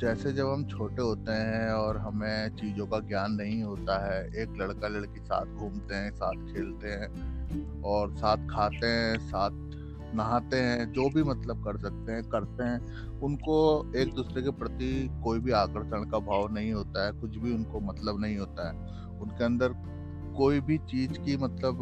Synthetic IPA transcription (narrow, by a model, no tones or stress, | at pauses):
d͡ʒɛːsed͡ʒɐbʱɦɐmt͡ʃʰoːʈeɦoːt̪eɦɛ̃ɔːɾɦɐmẽt͡ʃiːzõkaɡjaːnːɐɦĩɦoːt̪aɦɛːeːklɐɽkalɐɽkisa̰ːt̪ʰɡʱuːmt̪eɦɛ̃saːt̪ʰkʰeːlt̪eɦɛ̃ː | ɔːɾsaːt̪̚ʰkʰaːt̪eɦɛ̃saːt̪̚ʰ | nɐɦaːt̪eɦɛ̃d͡ʒoːbʱimɐt̪ləb̚kɐɾsɐk̚t̪eɦɛ̃kɐɾt̪eɦɛ̃ː | ʊnkoeːk̚d̪uːsɾekepɾɐt̪ikoːibʱiaːkəɾʃəɽ̃kabʱaːʋnɐɦĩɦoːt̪aɦɛkʊt͡ʃʰbʱiʊnkomɐt̪ləbnɐɦĩɦoːt̪aɦɛː | ʊnkeɐ̃nd̪əɾ | koːibʱit͡ʃiːzkimɐt̪ləb